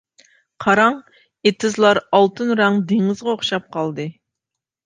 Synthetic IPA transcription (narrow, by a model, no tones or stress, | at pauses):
qʰɑɾɑŋ | et̪ʰɪzlˠɑɾɑlˠt̪ʰɨnɾɑŋd̪eŋɪzʁɑoχʃɑp̚qʰɑlˠd̪ɨ